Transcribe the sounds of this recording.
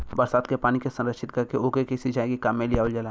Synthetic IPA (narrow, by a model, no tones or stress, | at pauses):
bɐɾsaːt̪̚kepaːnikesɐ̃nɾəkʃɪt̪kɐɾkeoːkekesid͡ʒʱaːẽkikaːmːẽlijaːʋld͡ʒəla